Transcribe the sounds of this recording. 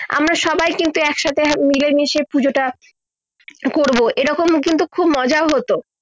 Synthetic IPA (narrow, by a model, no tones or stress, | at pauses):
a̰mɾaʃɔbajkint̪uɛkʃat̪ʰemilemiʃepud͡ʑoʈa | koɾboʔeɾɔkomkint̪ukʰubmɔd͡ʑaoɦot̪o